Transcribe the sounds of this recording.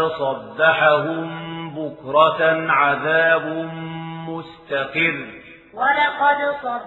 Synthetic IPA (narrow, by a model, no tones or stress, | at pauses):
sˤɑdːɑħaɦʊmbʊkɾˤɑʕaðaːbʊmmʊst̪aqɪrː | walɑqɑd̪sˤɑ